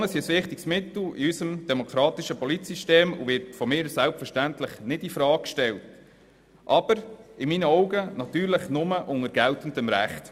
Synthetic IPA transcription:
nəsiəsʋɪχt̪ɪksmɪtl̩iysəmd̥ɛmokʰɾɑːt̪iʃəpɔlitsiʃteːmṵʋɪɾtfɔmɪːɾsælpfəʃtæntləχnɪdifɾɑːkkʃtɛlt | ʔɑb̥əɾɪminəɔʊɡənɑt̪yːɾləχnʊməʔʊŋəɾɡ̥æltəndəmɾæχt̪

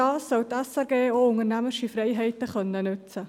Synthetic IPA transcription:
ɑːsːɔwtɛsɛɾɡeːoːʊŋəɾnæməʃifrɛɪɦɛɪtəχœnːənʏt͡sə

